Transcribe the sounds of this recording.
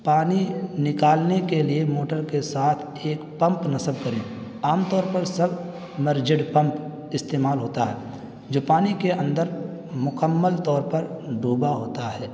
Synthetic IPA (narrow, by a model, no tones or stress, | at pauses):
paːninɪkaːlnekeliemoːʈəɾkesaːt̪ʰ | eːkpə̃mpnɐsəb̚kəɾẽː | aːmt̪ɔːɾpəɾsəb | məɾd͡ʒɪɖpə̃mp | ɪst̪eːmaːlɦoːt̪aɦɛː | d͡ʒoːpaːnikeə̃nd̪əɾmʊkəmːəlt̪ɔːɾpəɾɖuːbaɦoːt̪aɦɛː